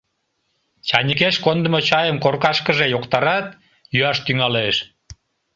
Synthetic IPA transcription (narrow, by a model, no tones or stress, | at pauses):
t͡ɕɑnʲik̬eʃkond̪ə̆mot͡ɕɑjəmkorkɑʃkəʒejokt̪ɑɾɑt̪̚ | jyɑʃt̪yŋɑleʃ